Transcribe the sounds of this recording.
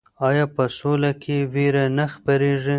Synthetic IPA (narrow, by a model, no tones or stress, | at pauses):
ɑjɑpəsolakʰeweɾanaxpaɾeʐi